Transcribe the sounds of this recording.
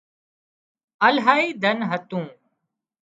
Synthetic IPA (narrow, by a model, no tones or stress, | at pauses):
əlɦaːiːd̪ʱənɦət̪ũː